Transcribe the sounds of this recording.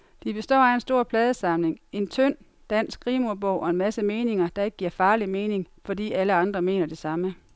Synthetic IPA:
d̥ib̥e̝sd̥ɒ̰ːæe̝nsd̥o̝ɐ̰pʰlɛːð̞ˠəsɑ̈mle̝ŋe̝nt͡sʰøn̰ | d̥æn̰sɡ̥ʁiːmuɐb̥ɔʊ̰ʔɒ̽e̝nmæsəme̝ːne̝ŋɐd̥ɑ̈e̝ɡ̥ə̥ɡ̥iɐ̰fɑ̈ːlime̝ːne̝ŋfɒ̽dḭːæləɑ̈nd̥ʁɐme̝ːnɐd̥e̝sɑ̈mə

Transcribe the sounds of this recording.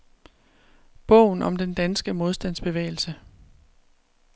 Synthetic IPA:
b̥ɔ̽ʊ̰n̩ɒ̽md̥end̥ænsɡ̥əmo̝ð̞ˠsd̥æn̰sb̥e̝ʋḛɪl̩sə

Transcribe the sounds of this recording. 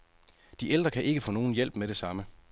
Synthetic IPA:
d̥iʔeld̥ʁɐkʰæʔe̝ɡ̥əfɔ̽ːno̝ːn̩jel̰b̥meɾ̥e̝sɑ̈mə

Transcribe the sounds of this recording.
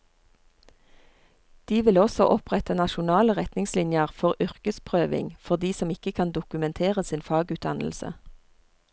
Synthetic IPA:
d̪̥iːʋɪlɔsɔʔɔpʁɛt̪ənɑʃʊnɑːləʁɛt̪nɪŋslɪnjəʁfɔʁʔʏʁkəspʰʁøːʋɪ̰ŋfɔʁd̪iːsɔmɪkəkʰɑnd̪ʊkʉmɛnt̪ʰeːʁəsiːnfɑːɡʉːt̪̚d̪ɑ̰nl̩sə̰

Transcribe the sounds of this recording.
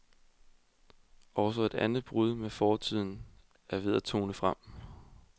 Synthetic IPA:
ʔɒ̽ʊs̬ɒe̝d̥ænð̩ˠb̥ʁuðˠmefɒːt͡sʰið̞̰ˠn̩ | æɐʋe̝ð̞ˠæt͡sʰo̝̰ːnəfʁam̰

